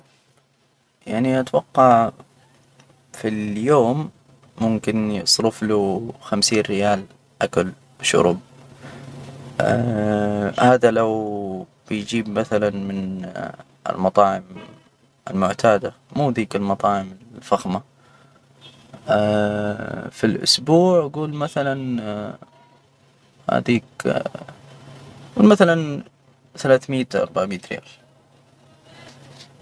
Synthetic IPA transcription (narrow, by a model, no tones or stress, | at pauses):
jaʕniʔat̪wɑqːɑʕ | filjoːmː | ʊmkɪnsˤɾʊfluxamsiːnɾɪjaːl | ʔakal | bʃʊ̰ɾʊb̚ | haːðalaw | b̥ɪjd͡ʒiːbmaθalanmɪn | ɪ̰lmɑt̪ˤɑːʕɪm | ʔɪ̰lmʊʕt̪ʰaːd̪amuːd̪iːkɪlmɑt̪ˤɑːʕɪmɪfaxma | filʔʊ̰sbuːʕɡuːlmaθalan | ha̰d̪iːk | ɡuːlmaθalan | θalaːθmiːt̪ʔɑ̰ɾˤbaʕmiːt̪ɾja̰ːl